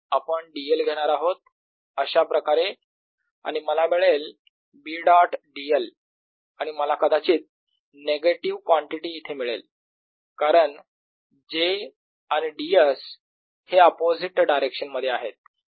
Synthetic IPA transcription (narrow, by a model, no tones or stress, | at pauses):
apəɳɖielɡʱeɽ̃aɾaɦot̪̚ | əɕapɾəkaɾe | a̰ɽ̃iməlamiɭel | biːɖaʈɖiəl | aɽ̃iməlakəd̪at͡ɕiːt̪̚ | neɡeʈiʋkʋãɳʈiʈiːt̪ʰemiɭḛl | kaɾəɳ | d͡ʑe | añiɖies | heəpod͡ziʈɖajɾekɕənməd̪ʱːjeaɦet̪̚